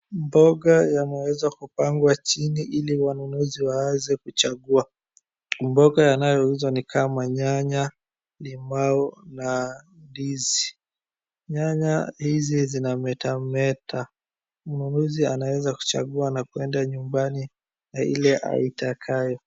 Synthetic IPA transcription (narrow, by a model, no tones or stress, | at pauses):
mbɔɠajanɛwɛzakupaŋɡwat͡ʃiniʔiliwanunuziwawɛzɛkut͡ʃaɠua | mbɔɡajanajɔhizɔnikʰamaɲaɲa | limaɔnandizi | ɲaɲahizizinamɛtamɛta | ununuzianawɛzaku̥t͡ʃa̰ɠuanakuɛndaɲumbani | nailɛʔa̰itakʰajɔ